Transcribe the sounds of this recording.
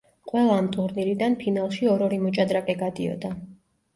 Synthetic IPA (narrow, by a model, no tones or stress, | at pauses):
qʼwɛlˠaːmt̪ʼuɾniɾid̪anpʰinalˠʃiɔɾɔɾimɔt͡ʃʼad̪ɾakʼɛɡad̪iɔ̰d̪a